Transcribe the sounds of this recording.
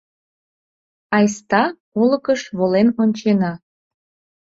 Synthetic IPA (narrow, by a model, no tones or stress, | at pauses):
ɑjst̪ɑ | oləkəʃβolenonʲt͡ɕenɑ